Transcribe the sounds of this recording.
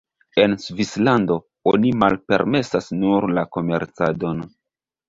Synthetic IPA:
e̞nsvislando̞ | onimalpe̞̰ɾme̞sasnuɾlako̞me̞ɾt͡sado̞n

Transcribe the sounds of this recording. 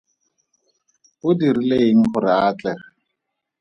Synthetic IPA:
hʊdirileiŋ̩χʊɾɪaːt͡ɬɛa

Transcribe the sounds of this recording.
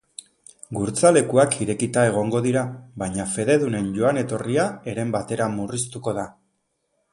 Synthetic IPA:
ɡuɾt͡sale̞kuakʰiɾe̞kit̪ae̞ɣ̞o̞ŋɡo̞ðiɾaβajɲafe̞ðe̞ðune̞nʝo̞ane̞t̪o̞riae̞ɾe̞mbat̪e̞ɾamurist̪uko̞ð̞a

